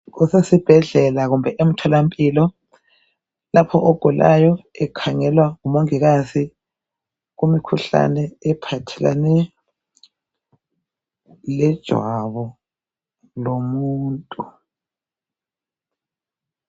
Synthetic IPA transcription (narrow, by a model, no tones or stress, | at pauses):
ɣusesib̥ʱɛɮɛlaɣumbʱɛʔem̩tʰɔlampʼilɔ | lapʰɔʔoɡ̥ʱulʔa̰jɔɛkʰaŋɛlwaɣumoŋiɣasi | ɣumikʰuɬa̰nɛɛpʰatʰɛla̰nɛ | lɛd̥ʒ̥ʱwaβɔ | lomuːntʼu